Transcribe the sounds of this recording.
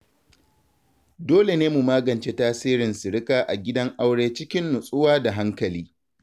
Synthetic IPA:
doː˦le˨neː˦mu˨maː˦ɡɐ˨nt͡ʃe˦taː˦siː˦ɾɪ˨nsɪ˨ɽɪ˦kaː˦ʔa̰˨ɡʲɪ˦dɐ˦ŋʔa˦wɽeː˦t͡ʃɪ˦kʲɪ˦nːʊ˨sʼʊ˦waː˦da˨ɦa˦ŋkɐ˨liː˦

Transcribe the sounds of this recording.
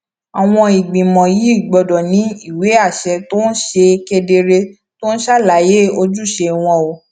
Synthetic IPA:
a˨w̃ɔ̃˧i˨ɡ͡bĩ˨mɔ̃˨ji˨˦i˦˨ɡ͡bɔ˧dɔ˨nĩ˨˦i˦˨we˨˦a˦˨ʃɛ˧to˦n̩˦ʃe˧ke˧de˧ɾe˧ | to˦n̩˦ʃa˦˨la˨˦je˦o˧d͡ʒu˦˨ʃe˧w̃ɔ̃˧o˧

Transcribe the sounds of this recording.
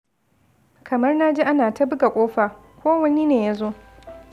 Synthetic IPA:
kʰɐ˨mɐ˦rna˦d͡ʒi˦ʔa˦naː˨tɐ˦bɪ˦ɡa˨kʷʼoː˦ɸaː˨ | kʷoː˦wɐ˦ni˦neː˨ja˦zoː˦

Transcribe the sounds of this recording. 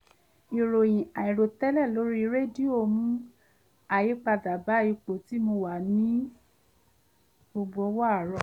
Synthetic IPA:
i˨ɾo˨j̃ĩ˨a˨i˨ɾo˨tɛ˦lɛ˦˨lo˨˦ɾi˦˧˦ɾe˦˨di˦o˦˨mũ˦ | a˨ji˨˦k͡pa˧da˨ba˨˦i˧k͡po˨ti˨˦mo˧wa˨nĩ˨˦ | bo˧ɡ͡bo˧˦ɔ˦wa˦a˦˨ɾɔ˧˨

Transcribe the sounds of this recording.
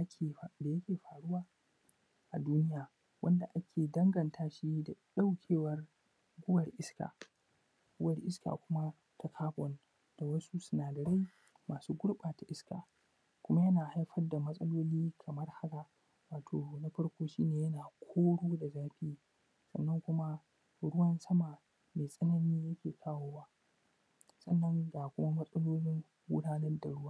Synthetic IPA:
ʔa˦kʲʰe˨da˨jɐ˦kʲeː˨ɸaː˨ɽʊ˦waː˨ | ʔa˨duː˦nɪ˦jaː˨ | wʔɐ˦nda˨ʔa˦kʲʰeː˨dɐ˦ŋɡɐ˨ntʰaː˦ʃi˦da˨ɗa˦wkʲʰeː˦wɐ˨r | ɡʷʊ˦wɐ˨rʔɪ˦ska̰ː˨ | ɡ̥ʷʊ˦wɐ˨rʔɪ˦ska̰ː˨kʷʊ˦ma˦ | tʰa˦kʰaː˦bɔ˨n | d̥a˨wɐ˦su˦sʊ˦naː˨dɐ˨ɽa˦j | maː˨suː˦ɡʷʊ˦ɽɓaː˨ta˨ʔɪ˦ska̰ː˨ | kʷʊ˦ma˦jɐ˦naː˨ha˦jɸɐ˦rda˨mɐ˦sʼɐ˦loː˦liː˦kʰɐ˨mɐ˦rha˦ka˨ | waː˨tʰoː˨na˦ɸɐ˦ɽkʷoː˦ʃiː˦neː˨jɐ˦naː˨kʷʰoː˦ɽoː˦da˨zaː˦ɸi˦i˦ | sɐ̰˨nːɐ˦ŋkʷʊ˦ma˦ | ɽʊ˦wɐ˦nsɐ˦ma˨ | meː˨sʼɐ˦nɐ˦niː˦jɐ˦kʲeː˨kʰaː˦woː˦waː˦ | sɐ˦nːɐ˦ŋɡaː˨kʷʊ˦ma˦mɐ˦sʼɐ˦loː˦lɪ˦ŋ | wʊ̰˦ɽaː˦nɐ˦rda˨ɽʊ˦waː˦

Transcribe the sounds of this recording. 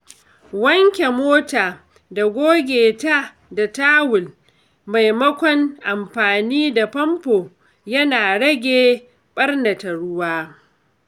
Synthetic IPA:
wɐ˦ŋkʲe˨moː˦taː˨ | da˨ɡʷoː˦ɡʲeː˨ta˦ | da˨taː˦wʊ˨l | ma˨jmɐ˦kʷɔ˦ŋʔa˨mɸaː˨niː˦da˨pɐ˦mpoː˨ | jɐ˦naː˨ɽɐ˦ɡʲeː˦ | ɓɐ˦rnɐ˨tɐ˨ɽʊ˦waː˦

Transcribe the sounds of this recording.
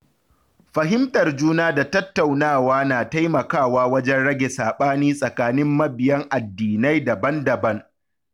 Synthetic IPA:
ɸɐ˨ɦɪ˦mtʼɐ˨rd͡ʒuː˦naː˦da˨tɐ˦tːa˨wnaː˦˨waː˦naː˨ta˦jmɐ˨kaː˦˨waː˦wɐ˦d͡ʒɛ˦nɽɐ˦ɡʲe˨saː˨ɓaː˦niː˦sʼɐ˨kaː˨nɪ˦mːɐ˦bɪ˨jɐ˦ŋʔa˨dːiː˨na˦jdɐ˨bɐ˦ndɐ˨bɐ˦ŋ

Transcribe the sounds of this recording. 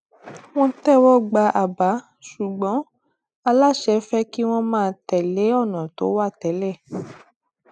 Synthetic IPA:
w̃ɔ̃˦tɛ˦˨wɔ˦ɡ͡ba˧ʔa˨ba˨˦ | ʃu˨ɡ͡bɔ̃˨˦ | a˧la˦˨ʃɛ˨˦fɛ˦ki˦w̃ɔ̃˦mãː˦˨˧tɛ˨le˨˦ɔ˦˨nã˨to˨˦wa˦˨tɛ˨˦lɛ˦˨

